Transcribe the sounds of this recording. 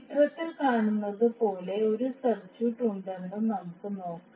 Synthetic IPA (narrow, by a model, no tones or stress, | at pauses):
t̪rɐt̪ːilkaːɳunːɐðɨpo̞ːle̞o̞ɾusɐrt͡ɕuːʈːuɳɖenɖɨnɐmukːɨno̞ːkː